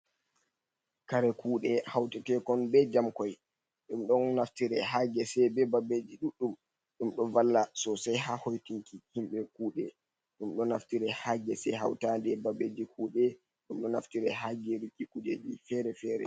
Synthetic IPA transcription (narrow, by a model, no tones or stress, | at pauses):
kaɾɛkuːɗɛhawtɛtɛkɔnbɛd͡ʒamkɔj | ɗumɗɔnnaftiɾɛɦaɡɛsɛbɛbabed͡ʒiɗuɗːum | ɗumɗɔvalːasɔsajhahojtiŋkihimɓɛkuːɗɛ | ɗumɗɔnaftiɾɛhaɡɛsɛɦawtandɛbabed͡ʒikʰuːɗɛ | ɗumɗɔnaftiɾɛɦaɡɛɾikːikud͡ʒed͡ʒifɛɾɛfɛɾɛ̰